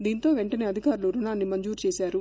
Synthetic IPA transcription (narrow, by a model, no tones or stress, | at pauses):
d̪iːnt̪o̞ːʋeɳʈɐne̞ːɐd̪ʱikaːɾuluɾunaːnːimɐɲd͡ʒuːɾt͡ʃeːsaːɾu